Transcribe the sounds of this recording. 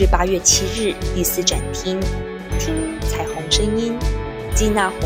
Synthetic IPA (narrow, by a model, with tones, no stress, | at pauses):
ɻ̩˥˩pa˥ɥɛ˥˩t͡ɕʰi˥ɻɻ̩˥˩t̪i˥˧sɹ̩˥˩ʈ͡ʂa˨˩nt̪ʰi˥ŋ | t̪ʰi˥ŋt͡sʰa˨˩ɪxʊ˧˥ŋʂɤ˥ŋi˥n | t͡ɕi˥˧na˥˩k